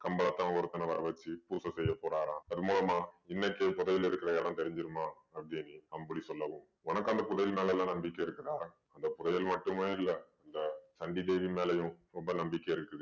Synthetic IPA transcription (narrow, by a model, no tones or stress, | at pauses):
kɐmbɐɭɐt̪ːãːɔɾɯt̪ːɐnɐʋɐ̰ɾɐʋɐt͡ʃːɯpuːsɐsɛjːɐpːoːɾaːɾãːɐðɯmuːlɐmaːɪnːɐkːepʊðɐjɪlɪɾɯkːɪɾɐjɐlãːt̪ɛɾɪɲd͡ʒɪɾɯmaː | ɐpɽiniɐmpɐɽisɔlːɐʋɯ̃ | ɔnɐkːɐnd̪ɐpʊðɐjɪlmeːlɐɛlːãːnɐmbɪkːɐɪɾɯkːɪɾaːɾ | ɐnd̪ɐpʊðɐjɪlmɐʈːɯmeːɪlːɐɐnd̪ɐsɐɳɖid̪eːʋimeːlɐjʊ̃ɾɔmbɐnɐmbɪkːɐɪɾɯkːɯðɯ